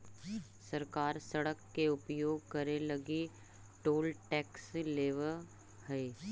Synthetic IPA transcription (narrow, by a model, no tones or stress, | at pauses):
sɐɾkaːɾsɐɽəkːeʊpjoːɡ̚kɐɾelɐɡi | ʈoːlʈɛːksleːʋə | həe